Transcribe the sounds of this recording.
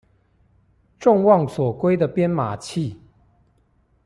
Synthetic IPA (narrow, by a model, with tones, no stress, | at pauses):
ʈ͡ʂʊ˥˧ŋwɑ˥˩ŋswɔ˨˩kwe˥ɪd̪ə˨pjɛ˥nma˨˩t͡ɕʰi˥˨